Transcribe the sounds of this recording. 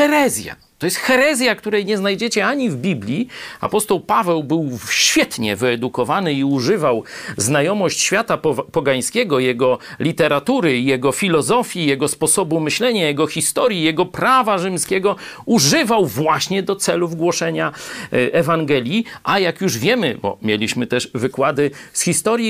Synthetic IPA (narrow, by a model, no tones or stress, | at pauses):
xɛɾɛzʲja̰ | t̪ɔjɛst̪xɛɾɛzʲjak̚t̪uɾɛjɲɛznajd͡ʑɛt͡ɕɛaɲivbʲiblʲjia̰pɔst̪ɔwpavɛwbɘwɕfʲjɛt̪ɲɛ̰vɘɛd̪ukɔvanɘiuʐɘvawznajɔmɔɕt͡ɕɕfʲjat̪apɔɡajɲ̃skʲɛɡɔjɛɡɔlʲit̪ɛɾat̪uɾɘjɛɡɔfʲilɔzɔfʲjijɛɡɔspɔsɔbumɘɕlɛɲajɛɡɔxʲist̪ɔɾʲjijɛɡɔpɾavaʐɘmskʲɛɡɔ | uʐɘvawvwaɕɲɛd̪ɔt̪sɛluvɡwɔʂɛɲaʔɛvaŋɡɛlʲjiʔajakjuʐvʲjɛmɘbɔ̰mʲjelʲiɕmɘt̪ɛʐvɘkwad̪ɘsxʲist̪ɔɾʲji